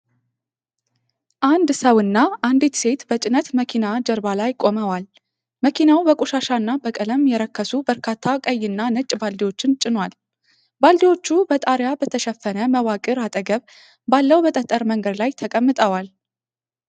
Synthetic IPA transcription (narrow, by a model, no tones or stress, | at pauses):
ʔand̪səwɨnːaʔand̪it̪se̞t̪bət͡ʃʼɪnət̪məkʰinad͡ʒəɾbalajkʼo̞məwal | məkʰinawbəkʼuʃaʃanːabəkʼələmjɛɾəkʰːəsubəɾkʰat̪ʰːakʼəjːɪnːanɨt͡ʃʼbald̪iwo̞t͡ʃːɪnt͡ʃʼɪnwal | bald̪iwo̞t͡ʃːubət̪ʼaɾjabət̪ʰəʃɛfːənəməwakʼɨɾat̪ʼəɡəβ | balːəwbət̪ʼət̪ʼːəɾməŋɡəd̪lajt̪ʰəkʼəmːɨt̪ʼəwal